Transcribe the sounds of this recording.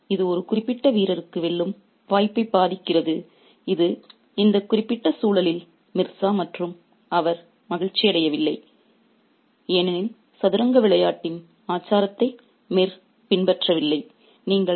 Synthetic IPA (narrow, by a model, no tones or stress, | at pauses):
ɪðɯɔɾɯkʊrɪpːɪʈːɐʋiːɾɐɾɯkːɯʋɛɭːɯm | ʋaːjpːɐɪbaːðɪkːɪrɐðɯ | ɪðɯ | ɪnd̪ɐkʊrɪpːɪʈːɐsuːɭɐlɪl | mɪrsaːmɐʈrɯm | ɐʋɐɾ | mɐɣɪɻt͡ʃːɪjɐɽɐjɐʋɪlːɐɪ | eːnɐnɪl | sɐðɯɾɐŋɡɐʋɪɭɐjaːʈːɪn | aːt͡ʃːaːɾɐt̪ːɐɪ | meːr | pɪnbɛʈrɐʋɪlːɐɪ | niːŋɡɐ